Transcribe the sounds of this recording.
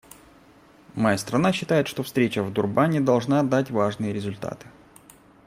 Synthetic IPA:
mɐjast̪ɾɐnaɕːɪt̪ajɪt̪ʂt̪ofst̪ɾʲet͡ɕəvd̪ʊrbanʲɪd̪ɐlˠʐnad̪atʲvaʐnɨjəɾʲɪzʊlʲt̪a̰t̪ɨ̥

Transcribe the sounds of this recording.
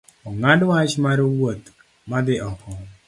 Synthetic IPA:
ɔŋadwat͡ʃmaɾowot̪ | mad̪ɪɔkɔ

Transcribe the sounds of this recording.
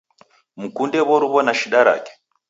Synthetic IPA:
mukundɛβɔɾuβɔnaʃiɗaɾa̰kɛ̥

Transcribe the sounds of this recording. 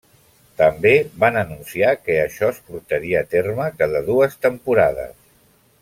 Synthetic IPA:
t̪əmbeβanənunsiakəːʃɔəspuɾt̪əɾiəːt̪erməkaðəðuəst̪əmpuɾaðə̰s

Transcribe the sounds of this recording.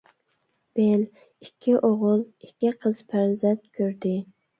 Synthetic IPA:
b̥el | ikʲʰːiʔoʁʊlˠikʲːiqʰəz̥pʰæɾzɛnt̪̚kʲʰøɾd̪ɪ

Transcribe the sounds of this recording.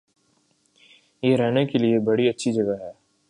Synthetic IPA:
jeːɾɛɦnekeliebɐɽiɐtːʃʰid͡ʒɐɡaɦɛː

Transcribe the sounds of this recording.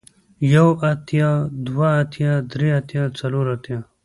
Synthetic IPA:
jɐwɐt̪ʰjad̪waːt̪ʰjaːd̪ɾeɐt̪jat͡sɐloːɾat̪jaː

